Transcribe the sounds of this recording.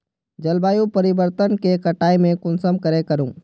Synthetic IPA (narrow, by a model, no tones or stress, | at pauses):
d͡ʒəlbaːjũpəɾɪbəɾt̪ənkekəʈaːimẽkʊnsəmkəɾekəɾũː